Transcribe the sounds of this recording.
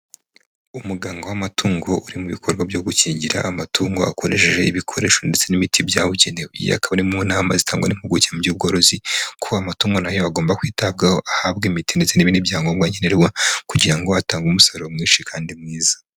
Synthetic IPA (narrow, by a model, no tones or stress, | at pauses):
umuɡaːŋɡowamatʰuːŋɡo̞ʔuɾimuβikʰo̞ɾɡwabjo̞ɡuciːɲɟiɾa̰ːmatuːŋɡo̞̰a̰ko̞ɾe̞̰ʃeʒe̞iβikʰo̞ɾe̞ːʃo̞ndet͡se̞nimitʰibjaβuɟenewḭjḛa̰kaβaɾimunaːmazitaːŋɡwa̰nimhuɡuciamuɟuːb̚ɡo̞ːɾo̞zikʰuamatuːŋɡo̞najo̞aɡo̞ːmbakwiːtab̚ɡahoʔahabɡimitinde̞t͡se̞niβinibjaːŋɡomɡwaɲeneɾwakuɟiɾaŋɡo̞ataːŋɡumusoɾomŋiːnʃikʰaːndimŋiːzḁ